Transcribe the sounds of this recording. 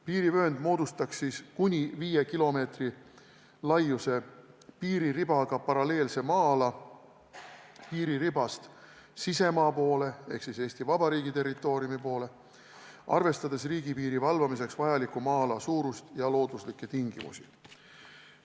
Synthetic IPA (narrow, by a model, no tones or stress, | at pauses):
piːɾivøend̪̥mo̞ːd̪ust̪ɑksiːskunʲiviːje̞kilo̞me̞ːt̪ri | lɑjːuse̞piːɾirib̥ɑɡ̥ɑpɑɾɑle̞ːlse̞mɑːlɑ | piːɾiɾibɑst̪ | sise̞mɑːpo̞ːle̞e̞hksise̞ːst̪ivɑb̥ɑɾiːɡit̪e̞rːit̪ːˑo̞ːɾiumipo̞ːle̞ | ɑ̰rve̞st̪ɑd̪̥e̞sriːɡ̥ipiːɾivɑlvɑmise̞ksvɑjɑlikumɑːlɑsuːɾust̪jɑlo̞ːd̪uslikːe̞t̪iŋɡ̥imṵsḭ